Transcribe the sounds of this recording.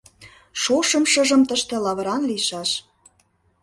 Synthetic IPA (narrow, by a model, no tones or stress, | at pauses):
ʃoʃə̆mʃə̆ʒə̆mt̪əʃt̪ĕlɑβə̆ɾɑnliʃɑʃ